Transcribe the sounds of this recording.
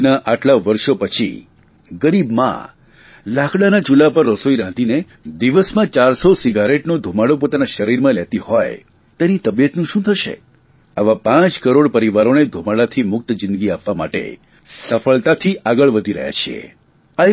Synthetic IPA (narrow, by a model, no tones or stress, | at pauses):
naʔaʈlaʋəɾʃopət͡ʃʰḭ | ɡəɾibmã̰ | lakʰɽanad͡ʒulapəɾːosoiɾãt̪ine | d̪iʋəsmãt͡ʃaɾsosiɡaɾeʈnod̪ʱumaɽopot̪anaʃəɾiɾmãlet̪ihoj | t̪enit̪əbijət̪nũʃũt̪ʰəʃḛ | aʋapãt͡ʃkəɾoɽpəɾiʋaɾoned̪ʱumaɽat̪ʰimʊk̚t̪d͡ʒɪ̃nd̪əɡiapʋama̰ʈḛ | səfəɭt̪at̪ʰiʔaɡəɭʋəd̪ʱiɾə̰ɦja̰t͡ʃʰiḛ | a